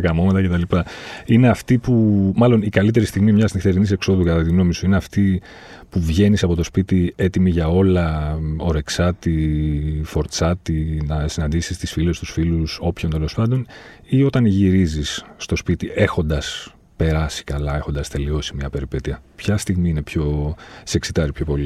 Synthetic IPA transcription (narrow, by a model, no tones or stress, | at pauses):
ɐkɐmo̞met̪ɐce̞t̪ɐlipɐine̞ɐft̪ipumɐlo̞nikɐlit̪e̞ɾist̪iɣmimɲɐsnixt̪e̞ɾinise̞kso̞ðukɐt̪ɐt̪iɣno̞misuineɐft̪i | puvʝe̞nisɐpo̞t̪o̞spit̪ie̞t̪imiʝɐo̞lɐo̞ɾe̞ksɐt̪i | fo̞ɾt͡sɐt̪inɐsinɐnd̪isist̪isfilest̪usfiluso̞pço̞nt̪e̞lo̞spɐnd̪o̞nio̞t̪ɐnʝiɾizisːt̪ospit̪ie̞xo̞nd̪ɐs | pe̞ɾɐsi̥kɐlɐe̞xond̪ɐst̪e̞lio̞simɲɐpe̞ɾipe̞t̪iɐpçɐst̪iɣmiine̞pço̞seksit̪ɐɾipço̞po̞li